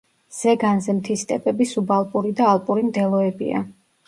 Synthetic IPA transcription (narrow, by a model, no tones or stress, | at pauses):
z̥ɛɡanzɛmt̪ʰist̪ʼɛ̰pʼɛbisubalˠpʼuɾid̪aːlˠpʼuɾimd̪ɛlˠɔɛbḭa̰